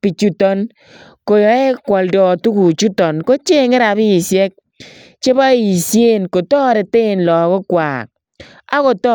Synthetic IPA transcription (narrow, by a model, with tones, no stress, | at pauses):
pi˨t͡ʃu˦tɔ˦n | ko˨jɔ˨˦e˦kwɔ˨ldɔ˨tu˦ku˨t͡ʃu˦tɔ˨nko˦t͡ʃe˦ŋɪ˦ɾa˨bi˦˨sjɛ˦k̚ | t͡ʃe˦ba˦i˨sje˦nko˨tɔː˦ɾe˨te˦˨nlɔ˨ko˦kwa̰ː˨k̚ | a̰˦ko˨tɔ˦